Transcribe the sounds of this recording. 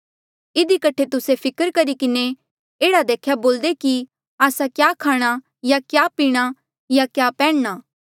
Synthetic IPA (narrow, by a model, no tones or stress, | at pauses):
ɪd̪ikɐʈʰet̪ʊsepʰɪkəɾkɐɾikɪne | eːɽad̪eːkʰjaboːld̪eki | aːsakjaːkʰaːɽ̃a | jakjaːpiːɽ̃a | jakjaːpɛ̃ːɽnaː